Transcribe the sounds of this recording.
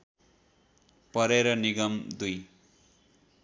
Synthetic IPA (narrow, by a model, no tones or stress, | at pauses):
pʌɾeɾʌniɡʌmd̪uj